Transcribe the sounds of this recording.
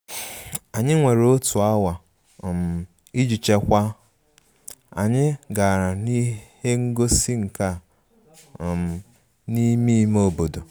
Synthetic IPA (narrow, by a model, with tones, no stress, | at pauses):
a˨ɲɪ˦ŋʷe˨ɾo˦tu˨a˦wa˨ | m̩˨ | i˦d͡ʒi˨t͡ʃe˦kʷa˦ | a̰˨ɲɪ˦ɡa˨ɾa˨ni˦he˦ŋ̩˦ɡo˦si˦ŋ̩˨ka˦˨ | m̩˨ | ni˦mi˦mo˦˨bo˨do˨